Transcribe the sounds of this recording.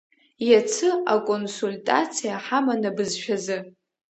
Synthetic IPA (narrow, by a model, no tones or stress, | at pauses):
jat͡sʰɨakʼonsultʼa̰t͡sʰijaħamanabɨzʃᶣazɨ